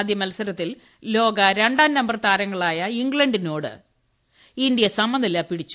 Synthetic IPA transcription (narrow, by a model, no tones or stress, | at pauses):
d̪jɐmɐlɐsɐɾɐt̪ːil | lo̞ːɡɐɾe̞ɳɖaːnnɐmbɐrt̪aːɾɐŋːɐɭaːjɐiŋɡɭɐɳɖinoːɽɨ̰ | ind̪jɐsɐmbɐnd̪ɐlːaːpiɽit͡ɕːu̥